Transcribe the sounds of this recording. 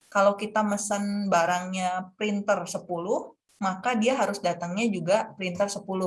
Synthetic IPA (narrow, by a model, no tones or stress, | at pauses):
kalawkit̪aməsənbaɾaŋɲapɾint̪ərsəpulʊh | makadiaɦaɾʊsdat̪aŋɲad͡ʒuɡapɾint̪ərsəpulʊ